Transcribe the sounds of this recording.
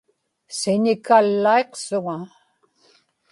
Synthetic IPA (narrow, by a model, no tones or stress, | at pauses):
sɪnɪkalːae̞qsʊŋa